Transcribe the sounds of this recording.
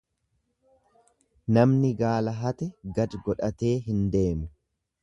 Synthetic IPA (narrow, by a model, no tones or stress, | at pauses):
nɐmnɪɡaːlɐɦɐt̪ɛɡɐd̪ɡɔᶑɐt̪e̞ːɦɪnd̪e̞ːmʊ